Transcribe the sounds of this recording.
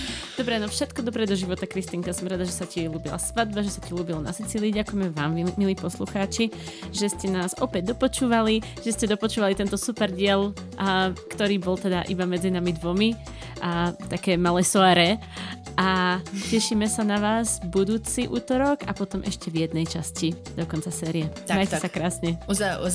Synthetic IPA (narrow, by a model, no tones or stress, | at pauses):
d̪̥ɔbɾɛnɔfʃɛt̪kɔd̪ɔpɾɛd̪ɔʒiʋɔt̪akɾist̪iŋkasɔmɾad̪aʒɛsaciluːbila̰sʋad̪̚baʒɛsaciluːbilɔna̰sit͡siːliːɟakujɛmɛʋaːmimiliːpɔsluxaːt͡ʃi | ʒɛscɛnaːzɔpɛɟ̚d̪ɔpɔt͡ʃuːʋali | ʒ̥ɛscɛd̪ɔpɔt͡ʃuːʋalit̪ɛnt̪ɔsupɛɾɟɪɛl | kt̪ɔɾiːbɔlˠt̪ɛd̪aʔḭbamɛd͡zinamid̪ʋɔmi | t̪akɛːmalɛːsɔaɾɛ | ʔacɛʃiːmɛsanaʋaːzbud̪uːt͡siʔuːt̪ɔɾɔɡapɔt̪ɔmʔɛʃcɛʋjɛd̪nɛjt͡ʃascid̪̥ɔkɔnt͡sasɛːɾiɛmajcɛsakɾaːsɲɛ